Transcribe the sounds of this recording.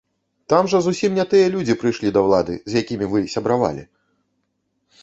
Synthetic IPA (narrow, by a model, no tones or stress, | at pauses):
t̪amʐɐzusʲimnʲɛt̪ɨjɐlʲud͡zʲipɾɨjʂlʲid̪ɐwlˠad̪ɨ̰zʲjakʲimʲivɨsʲɐbɾava̰lʲḭ